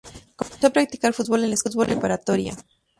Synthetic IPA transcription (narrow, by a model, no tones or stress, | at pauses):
komensoapɾakt̪i̥kalfut̪bolenlesfut̪̚βolrepaɾat̪oɾja̰